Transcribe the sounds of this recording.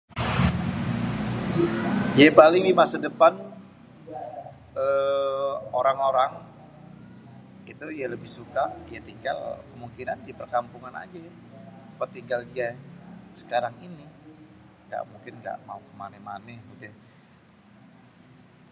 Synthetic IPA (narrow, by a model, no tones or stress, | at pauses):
diapalɪŋdimasadəpan | ə | oɾaŋoɾaŋ | it̪ujaləbɪhsukajat̪iŋɡa̰lkəmuŋkina̰ndipərkampuŋana̰d͡ʒaj | pat̪iŋɡaldiasə̥kaɾaŋini | ŋɡa̰ʔmuŋkɪnɡa̰ʔmaukəmanɛmanɛhudɛh